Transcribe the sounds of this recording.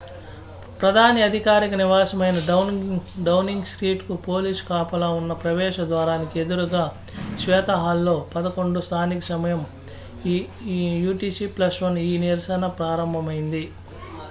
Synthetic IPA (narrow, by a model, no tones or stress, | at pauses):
pɾɐd̪ʱaːniɐd̪ʱikaːɾikɐniʋaːsɐmɐjnɐ | ɖɐwniŋɡsɾiːʈkupo̞ːlisu̥kaːpɐlaːunːɐpɾɐʋɛːʃɐd̪ʋaːɾaːnikie̞d̪uɾuɡaː | ʃʋɛːt̪ɐɦaːlːo̞ːpɐd̪ɐko̞ɳɖust̪ʰaːnikɐsɐmɐjɐm | juːʈiːsiplɐsʋɐniːniɾsɐnɐpɾaːɾɐmbʱɐmɐjind̪i